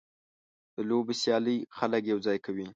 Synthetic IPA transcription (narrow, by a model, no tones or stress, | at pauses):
d̪̥əlobesjɑləjxaləkjawd͡zɑjkawi